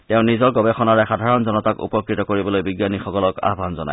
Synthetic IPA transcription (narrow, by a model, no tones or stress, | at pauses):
tɛʊ̃nizɔɹɡɔbɛxɔnaɹɛxadʱaɹɔnzɔnɔtakṵpɔkɹitɔkoɹibɔlojbiɡjanixɔkɔlɔka̰ɦbʱanzɔna̰j